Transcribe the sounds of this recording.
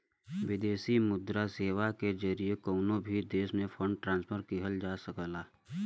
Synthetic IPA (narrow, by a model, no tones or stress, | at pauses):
ʋɪd̪eːsimʊd̪ɾaseːʋaked͡ʒəɾiekɔːnõbʱid̪eːsmẽfʰə̃ɳɖʈɾãːnspʰəɾkiɦəld͡ʒaːsəkəlaː